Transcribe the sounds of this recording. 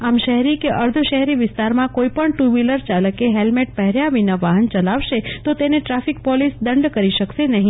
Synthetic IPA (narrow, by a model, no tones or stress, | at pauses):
amʃəɦɾikeʔəɾd̪ʱəʃəɦɛɾiʋɪst̪aɾmãkoipəɳʈuʋiləɾt͡ʃaləkeɦelmeʈ̚pəɦɛɾjaʋinəʋaɦənt͡ʃəlaʋʃet̪ot̪eneʈɾafik̚pɔlisd̪əɳɖkəɾiʃəkʃenəɦĩ